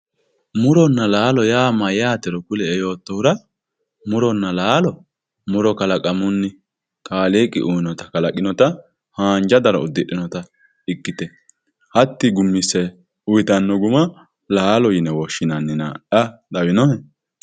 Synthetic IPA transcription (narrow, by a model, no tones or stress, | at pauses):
mʊɾɔnːɐlaːlɔjaːmɐjaːt̪ɛɾɔkʊlɛːjo̞ːt̪ːɔhʊɾɐ | mʊɾɔnːɐlaːlɔ | mʊɾɔkɐlɐkʼɐmʊnːɪ | kaːleːkʼːɪ̰ʔujɪnɔt̪ɐkɐlɐkʼːɪnɔt̪ɐ | haːnd͡ʒɐd̪ɐɾɔ̰ʊd̪ːɪɗːɪnɔt̪ɐ | ɪkːɪt̪ɛ | hɐt̪ːɪɡʊmːɪsɛ | ʊjɪt̪ɐnːɔɡʊmɐ | laːlɔjɪnɛwɔʃːɪnɐnːɪna̰ʔɐᶑɐwɪnɔnɛ